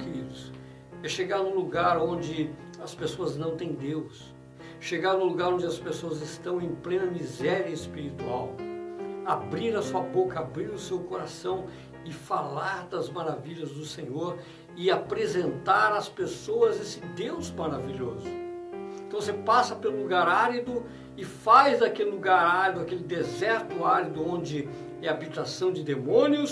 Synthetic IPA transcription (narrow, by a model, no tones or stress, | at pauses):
keɾid̪ʊs | ɛʃeɡaɾnʊ̃luɡaɾõnd͡ʒɪ | ɐspesoɐznɐ̃w̃t̪ẽj̃d̪ews | ʃeɡaɾnʊluɡaɾõnd͡ʒɪɐspesoɐzɪst̪ɐ̃w̃ẽj̃plẽnɐmizɛɾiɐɪspiɾit̪uaw | abɾiɾɐsuɐbokɐabɾiɾʊsewkoɾasɐ̃w̃ | ɪfalaɾd̪ɐzmaɾaviʎɐzd̪ʊsẽɲoɾ | ɪapɾezẽnt̪aɾɐspesoɐzesɪd̪ewzmaɾaviʎozʊ̃t̪ɐ̃w̃vosepasɐpelʊluɡaɾaɾid̪ʊ | ɪfajzd̪ɐkelɪluɡaɾaɾid̪ʊakelɪd̪ezɛɾt̪ʊaɾid̪ʊõnd͡ʒɪ | ɛabit̪asɐ̃w̃d͡ʒɪd̪emõnjʊs